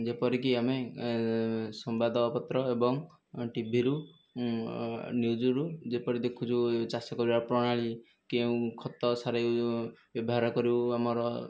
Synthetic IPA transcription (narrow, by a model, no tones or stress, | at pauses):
d͡ʒepɔɾik̬iame | sɔmbad̪ʱɔːpɔt̪ɾɔebɔŋ | ʈibʱiɾu | njud͡ʒɔɾud͡ʒepɔɾid̪ekʰut͡ʃʰut͡ʃasɔkɔɾibapɾɔɽ̃aɭi | keũkʰɔt̪ɔsaɾabjɔbɔɦaɾɔkɔɾiamɔɾɔ